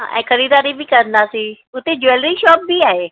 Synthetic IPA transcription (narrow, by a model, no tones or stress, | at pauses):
ɛ̰̃ːkʰɐɾiːd̪aːɾibʱikɐɾənd̪aːsi | ʊt̪ed͡ʑʊelɾiʃɔːp̚biaːɦeː